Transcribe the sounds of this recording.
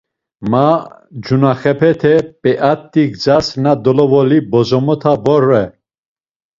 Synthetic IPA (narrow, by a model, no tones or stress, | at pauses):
mad͡ʒunaχɛpʰɛt̪ʰɛpʼɛʔat̪ːiɡd͡zasnad̪ɔlɔvɔlibɔzɔmɔt̪ʰabɔɾɛ